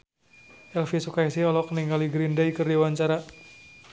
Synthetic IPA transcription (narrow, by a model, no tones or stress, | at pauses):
ʔɛlfisukaisiɔlɔkəniŋɡaliɡɾindaikərdiwaɲt͡ʃaɾa